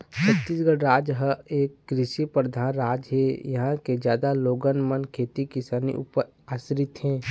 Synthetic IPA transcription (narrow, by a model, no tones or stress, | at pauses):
t͡ʃʰət̪ːiːsɡəɽɾaːd͡ʒɦəeːkːɾɪʃipɾəd̪ʱaːnɾaːd͡ʒɦejəɦãked͡ʒjaːd̪aloːɡənmənkʰeːt̪ikisaːnḭʔṵpəɾ | aːsɾɪt̪ɦɛ̃ː